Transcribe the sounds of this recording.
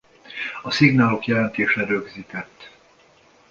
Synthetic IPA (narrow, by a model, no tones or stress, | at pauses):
ɒsiɡnaːlo̞kjɛlɛnt̪eːʃɛɾøɡziːt̪ɛt̪ː